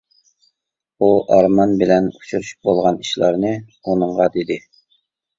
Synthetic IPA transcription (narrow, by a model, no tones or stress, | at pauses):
uʔɑɾmɑnbɪlɛnut͡ʃʰuɾyʃy̥p̚bolˠʁɑniʃlˠɑɾnɨ | unɨɴʁɑd̪ed̪ɪ